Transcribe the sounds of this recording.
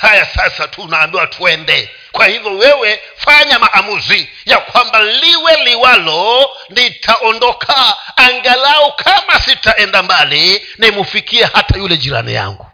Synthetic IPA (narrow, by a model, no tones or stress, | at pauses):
hajasasatʰunaːmbiwatʰuɛndɛ | kwahivjɔwɛwɛ | faɲamaʔamuzi | jakwambaliwɛliwalɔ | nitʰaʔɔndɔkʰaːŋɡalaɔkʰamasitaɛndambali | namufikiɛhatajulɛʄiɾa̰nḭja̰ŋɡu